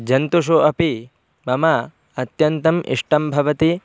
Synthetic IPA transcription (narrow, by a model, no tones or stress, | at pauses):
d͡ʒɐnt̪uʃ̬uʔɐpi | mɐmɐ | ɐt̪jɐnt̪ɐmʔḭʂʈɐmbʱɐʋɐt̪i